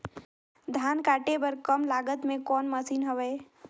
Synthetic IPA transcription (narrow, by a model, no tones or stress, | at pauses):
d̪ʱaːnkaːʈebəɾkəmlaːɡət̪mẽkɔːnməsiːnɦəʋɛː